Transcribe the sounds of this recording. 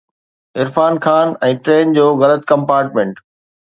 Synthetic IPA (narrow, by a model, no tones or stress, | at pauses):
ɪɾfaːnxʰaːnɛ̃ːʈɾeːnd͡ʑoːɣɐlət̪kɐ̃mpaːɾʈmẽːɳʈ